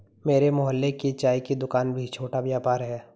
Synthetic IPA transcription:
meːɾemʊɦəlːekit͡ʃaːikid̪ʊkaːnbʱit͡ʃʰoːʈabjaːpaːɾɦɛː

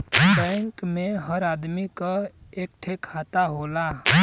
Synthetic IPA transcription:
bɛ̃ŋkmẽɦəɾaːd̪mikaeːk̚ʈʰekʰaːt̪aɦoːla

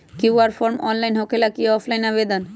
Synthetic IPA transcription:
kiwaɾfʰoɾmɔnlajnɦokelakiɔpʰlajnaβed̪on

